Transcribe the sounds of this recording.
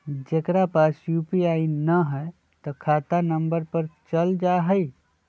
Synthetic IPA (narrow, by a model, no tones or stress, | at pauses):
d͡ʒekɾapasjupiainəɦɛ | t̪ɔkʰat̪anəmbəɾpəɾt͡ʃəld͡ʒaɦəi